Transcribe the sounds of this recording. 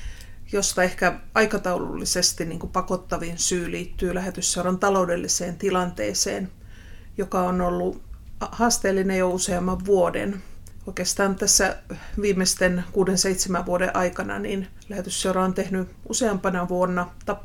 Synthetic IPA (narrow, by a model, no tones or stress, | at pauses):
jost̪ɑehkæɑikɑt̪ɑulṵlːisest̪inniːŋkupɑkot̪ːɑʋinsyːliːt̪ːyːlæhet̪ysːewrɑnt̪ɑloudelːiseːnt̪ilɑnt̪ḛːsḛːn | jokɑonolːuhɑːst̪eːlːinejouseɑmːɑʋʋuodḛn | oikeːst̪ɑːnt̪æsːæʋiːmːest̪enkuːdenseit̪semæʋʋuodḛʔɑikɑnɑ̰nin | læhet̪ysːeurɑont̪ehny | useɑmpɑnɑʋuonːɑt̪ɑp